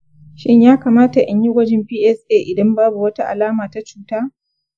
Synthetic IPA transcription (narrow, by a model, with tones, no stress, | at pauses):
ʃɪ˦ɲjaː˦kaː˨maː˦ta˨ʔa˨ɲji˦ɡʷɐ˦d͡ʒɪ˦mɸiː˦ʔɛ˦sʔeː˦˨ʔɪ˨dɐ˦mbaː˦bu˨wɐ˦ta˦ʔa˨laː˦maː˨ta˦t͡ʃuː˦taː˦